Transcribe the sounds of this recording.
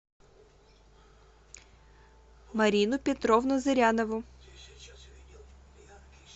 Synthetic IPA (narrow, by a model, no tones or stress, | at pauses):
mɐɾʲinʊpʲet̪ɾɔʋnʊzɪɾʲanɔʋʊ